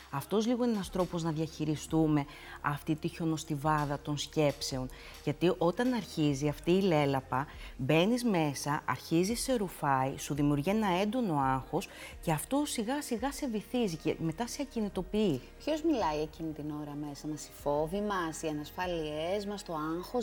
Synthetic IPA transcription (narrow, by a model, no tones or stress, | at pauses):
ɐft̪o̞zliɣo̞enɐst̪ɾo̞po̞znɐðiɐçiɾist̪ume̞ | ɐft̪it̪iço̞no̞st̪ivɐðɐt̪o̞nsce̞pse̞o̞n | ʝɐt̪iʔo̞t̪ɐnɐɾçiziɐft̪iːle̞lɐpɐbe̞nizme̞sɐʔɐ̰ɾçizise̞ɾufɐisuðimiuɾʝienɐe̞nd̪o̞no̞ɐŋxo̞sce̞ɐft̪osiɣɐsiɣɐse̞viθiziceme̞t̪ɐseɐcinit̪o̞piipço̞zmilɐiecinit̪ino̞ɾɐme̞sɐmɐsi̥fo̞vimɐsiɐnɐsfɐliezmɐst̪o̞ɐŋxo